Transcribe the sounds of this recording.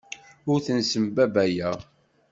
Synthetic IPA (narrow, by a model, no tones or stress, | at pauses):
ʊɾθənsəmbæbæjæ